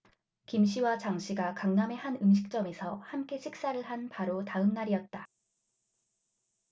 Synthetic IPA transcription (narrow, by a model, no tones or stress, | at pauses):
kimɕʰiwat͡ɕaŋɕʰiɡakaŋname̞hanɯmɕʰi̥k̚t͡ɕ͈ʌme̞sʰʌhamk͈e̞ɕʰik̚s͈aɾɯɭhanpaɾotaɯmnaɾijʌt̚t͈a